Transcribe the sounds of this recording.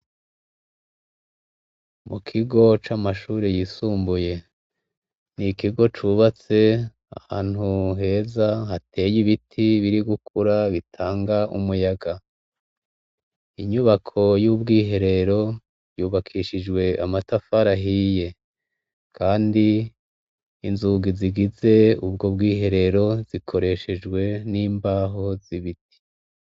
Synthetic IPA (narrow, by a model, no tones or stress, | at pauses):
mukʰiɡo̞t͡ʃamaʃuːɾejisuːmbuje̞ | nikiɡo̞t͡ʃuβat͡se̞ | a̰ha̰ːn̥huɦe̞ːzahatʰe̞ːjiβitʰiβiɾiɡukʰuɾaβitʰaːŋɡaʔumujaɡa | iɲuβakʰo̞jubɡiːɦe̞ɾe̞ɾo̞ | juːβakʰiːʃid͡ʒɡwe̞a̰matafaɾaɦije̞ | kʰaːndi | nzuɡiziɡize̞ub̚ɡo̞b̚ɡiːɦe̞ɾe̞ɾo̞zikʰo̞ɾe̞ʃe̞d͡ʒɡwe̞niːmbaːɦo̞ziβiti̥